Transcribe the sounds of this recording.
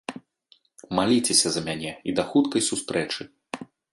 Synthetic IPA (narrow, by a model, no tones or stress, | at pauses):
malʲit͡sʲesʲɐzɐmʲanʲɛid̪ɐxut̪kɐjsust̪ɾɛt͡ʂɨ